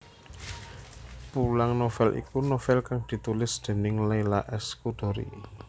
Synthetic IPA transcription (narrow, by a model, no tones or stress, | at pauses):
pulaŋnofɛlʔḭkunofɛlkaŋd̪̥i̤t̪ulɪsd̪̥e̤nɪŋlajlaʔɛskud̪̥o̤ɾḭ